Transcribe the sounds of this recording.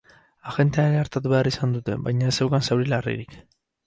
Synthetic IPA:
aɣe̞nt̪eaɾeaɾt̪at̪uβe̞arisand̪ut̪e̞̰bajɲaesewkansewɾilarḭɾik

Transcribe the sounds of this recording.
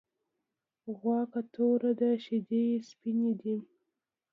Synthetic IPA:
ɣwɑkat̪oɾad̪aʃid̪ejspined̪i

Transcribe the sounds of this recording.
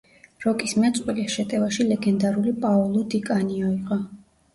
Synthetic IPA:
ɾɔkʼismɛt̪sʼwiliʃɛt̪ʼɛvaʃilɛɡɛnd̪aɾulipʼaɔlˠɔd̪ikʼaniɔiqʼɔ

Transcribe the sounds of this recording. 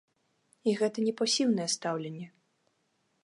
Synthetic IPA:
iɣɛt̪ɐnʲɛpɔsʲiwnɐjɛst̪awlʲenʲːɛ

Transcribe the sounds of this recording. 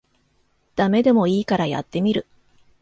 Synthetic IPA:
d̪̥ame̞d̪e̞mo̞iːkaɾaja̰t̪ːe̞mʲiɾɯ̟

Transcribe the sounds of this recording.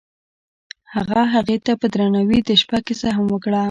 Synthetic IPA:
haɣaɦaɣet̪apəd̪ɾanawid̪əʃpakɪsaɦamwəkɽa

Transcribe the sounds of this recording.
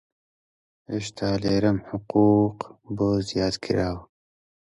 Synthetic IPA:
iʃt̪ʰaːleːɾɐmhʊquːqboːzijaːt̪kʰḭɾaːw

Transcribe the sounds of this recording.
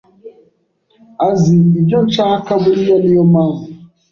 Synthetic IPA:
aziid͡ʒɔt͡ʃaːkabʊɾijɛljɔmaŋ

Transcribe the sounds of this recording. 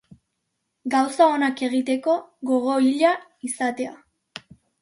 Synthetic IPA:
ɡawsao̞nake̞ɣ̞it̪e̞ko̞ɣo̞ɣ̞o̞iʎaisat̪e̞a

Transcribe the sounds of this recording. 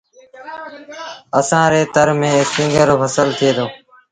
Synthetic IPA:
əsãːɾeːt̪əɾmẽːɪsɪ̃ŋɡəɾfəsəlt̪ʰɪeːd̪oː

